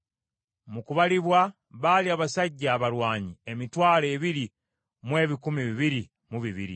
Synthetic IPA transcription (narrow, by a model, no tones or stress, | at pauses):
mukuβaliβwa | βaːliaːβasaɟːaːβaɾwaːɲie̞mitwaːle̞ːβiɾi | mwe̞ːβikumiβiβiɾi | muβiβḭɾḭ